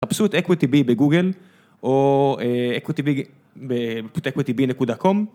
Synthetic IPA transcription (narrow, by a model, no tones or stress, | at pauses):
apsuet̪ʔekwit̪ibibeɡuɡel | ʔoeekwit̪ibi | beekwit̪ibine̞kudako̞m